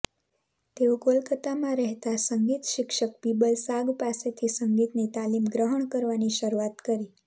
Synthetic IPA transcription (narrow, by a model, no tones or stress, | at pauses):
t̪eukolkət̪amãɾɛɦt̪asəŋɡit̪ʃɪkʃək̚pibəlsaɡpaset̪ʰisəŋɡit̪net̪alimɡɾəɦəɳkəɾʋaniʃəɾuat̪kəɾi